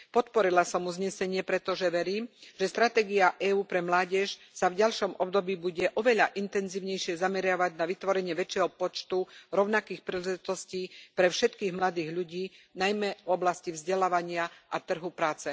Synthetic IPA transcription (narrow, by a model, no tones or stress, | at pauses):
pɔt̪pɔɾilasɔmuzɲɛsɛɲɪɛpɾɛt̪ɔʒɛʋɛɾiːmʒ̥ɛst̪ɾat̪ɛːɡiaʔɛuːpɾɛmlaːɟɛʃ | savɟalʃɔmʔɔbd̪ɔbiːbuɟɛʔɔʋɛʎaʔint̪ɛnziːʊɲɛjʃɪɛzamɛɾɪaʋaɟnaʋit̪ʋɔɾɛɲɪɛʋɛt͡ʃːɪɛɦɔpɔt͡ʃt̪uɾɔʊnakiːxpɾiːlɛʒit̪ɔsciːpɾɛfʃɛt̪kiːɣmlad̪iːɣʎuɟiːnajmɛvɔblascivzɟɛlaːʋaɲɪaʔat̪r̩ɦupɾaːt͡sɛ